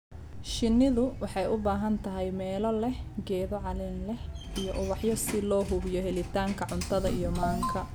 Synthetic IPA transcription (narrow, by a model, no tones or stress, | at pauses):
ʃɪnːɪðʊwɑħɑjʔʊbaːɦɐnt̪ʰɐɦɛjmɛːlɔlɛhɡɛːðɔʕɑlɪnlɛhʔijɔʔʊβɑħjɔsɪlɔːɦʊβjɔhɛlɪt̪ʰaːŋkʰɐʕʊnt̪ʰɐðɐʔijɔmaːŋkʰɐ